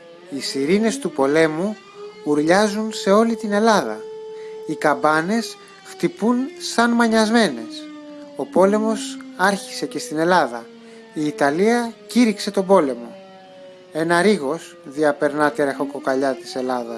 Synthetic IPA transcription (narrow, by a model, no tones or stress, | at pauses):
isiɾine̞st̪upo̞le̞mu | muɾʎɐzunse̞o̞lit̪ine̞lɐðɐ̰ | ikɐbɐne̞s | ft̪ipunsɐnmɐɲɐzme̞ne̞so̞po̞le̞mo̞sɐɾçi̥se̞ce̞st̪ine̞lɐðɐ | iːt̪ɐliɐciɾikse̞t̪o̞bo̞le̞mo̞ | e̞nɐɾiɣo̞s | ðiɐpe̞ɾnɐt̪iɾexoko̞kɐʎɐt̪i̥se̞lɐðɐ̰s